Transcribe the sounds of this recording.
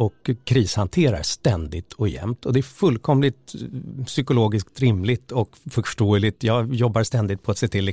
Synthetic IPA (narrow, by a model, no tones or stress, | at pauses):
ɔkʰːɾiːshant̪ʰeːɾa̰ɾʂt̪ɛnd̪ɪt̪ʰɔjɛ̰mt̪ʰɔd̪ɛæfɵlkʰɔmlɪt̪sʏkʊloːɡɪskt̪ɾɪmlɪt̪ɔkfœʂʈoːəlɪt̪jɑːjɔbːaɾst̪ɛnd̪ɪt̪̚pʰɔat̪seːt̪ʰɪlːɪ